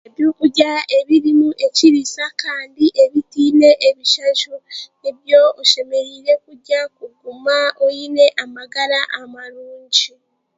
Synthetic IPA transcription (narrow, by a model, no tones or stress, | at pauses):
eβjukuɟae̞βiɾimuʔe̞ciɾisakaːndiʔeβitiːne̞ʔeβiʃat͡ʃueβjo̞uʃe̞me̞ɾiːɾe̞kuɟakuɡumaoine̞ʔamaɡaɾaʔamaɾuːɲɟi